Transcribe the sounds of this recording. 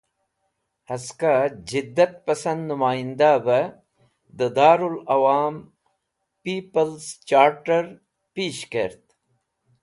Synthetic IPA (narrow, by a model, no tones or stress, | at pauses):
hɐskad͡ʑid̪ːɐt̪̚pɐsɐnd̪nʊmaːind̪abɐ | d̪əd̪aːɾulɐwaːm | piːpəlst͡ʃaːɾʈəɾ | piːʃkeɾt̪